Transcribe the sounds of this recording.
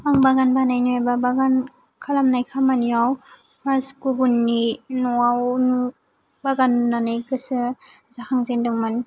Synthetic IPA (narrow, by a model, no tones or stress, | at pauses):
aŋbaɡanbanajnɔajbabaɡan | kʰalamnajkʰamaniaw | pʰaɾskuɡunːinɔawnu | baɡannanajɡɯsɯzahʰaŋzendɔŋman